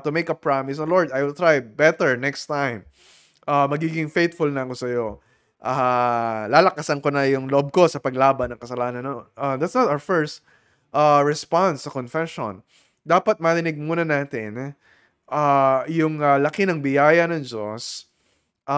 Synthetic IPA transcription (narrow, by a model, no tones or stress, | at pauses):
t̪ʊmejkɐpɹamɪs̬ɐloɹd̪ajwɪlt̪ɹajbɛt̪ɛɹnɛkst̪ãjm | ʔamɐɡiːɡɪŋfejt̪fʊlnɐɐko̞sɐjo̞ | ʔa | laːlɐkasɐnkonɐjʊŋloʔob̚ko̞sɐpɐɡlaːbɐnːɐŋkɐsɐlaːnɐnːoʔad̪at̪snɐt̪awə˞fɛɹst̪ | ʔaɹɛspansːɐkonfɛʃo̰n | d̪aːpɐt̪̚mɐɾɪnɪɡ̚muːnɐnaːt̪ɪn | ʔajʊŋɐlɐkɪnɐŋbɪjaːjɐnɐŋd͡ʒo̰s | ʔa